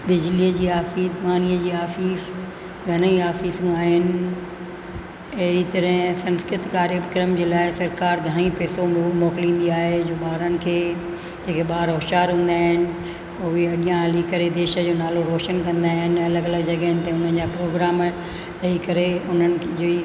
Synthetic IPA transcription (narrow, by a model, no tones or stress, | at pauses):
bɪd͡ʑliːəd͡ʑiːaːfiːsʋaːniəd͡ʑiːaːfiːs | ɡʱɐñiaːfiːsũaːɦɪnɪ̆ | ɐɦɪɾit̪ɐɾəɦɪ̃sɐ̃nskɾɪt̪kaːɾjəbkɪɾəmd͡ʑeːlaːɪsɐɾkaːɾɡʱɐɽ̃ipɛːsomɔːkɪlĩːn̆d̪iaːɦed͡ʑoːɓaːɾənɪ̆kʰeː | d͡ʑeːkʰeɓaːɾɦoɦʃaːɾɦũːnd̪aːɦɪnɪ̆ | ʊɦeɐɠijãɐlikɐɾed̪eːʃə̆d͡ʑoːnaːloɾoːʃənkɐ̃nd̪aːɦɪnɪ̆ɐləɡɐləɡd͡ʑɐɠəɦɪnɪ̆t̪ẽʊn̤ənd͡ʑaːpɾoːɡɾaːm | lɐikɐɾeʊn̤ənɪ̆d͡ʑo